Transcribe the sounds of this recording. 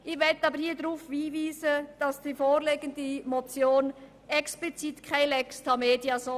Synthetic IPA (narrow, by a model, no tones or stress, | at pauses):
ʔɪvɛtəɑːbəɾhiːɐdɾuːfʋiːviːzəd̥ɑsd̥iːfoːɾleːɡəndəmot͡sjoːn | ʔɛksplit͡sitkʰaɪlɛkstʰɑmeːdjazo